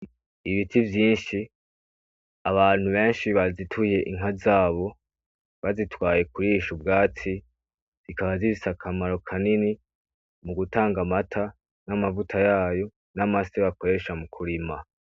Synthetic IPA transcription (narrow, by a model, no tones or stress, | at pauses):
iβitʰivjiːnʃi | aβaːn̥huβe̞ːnʃiβazitʰuje̞ʔiŋazaːβo̞ | βazitwaːje̞kuɾiʃubɡaːt͡si | zikaβazizisakʰamaɾo̞kʰanini | muɡutaːŋɡamatʰa | namavutʰajaːjo̞ | namasiβako̞ɾe̞ʃamukʰuɾima